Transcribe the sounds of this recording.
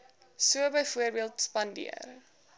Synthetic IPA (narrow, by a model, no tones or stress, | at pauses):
suəbəjfuərbiəlˠtspɐndḭə̰r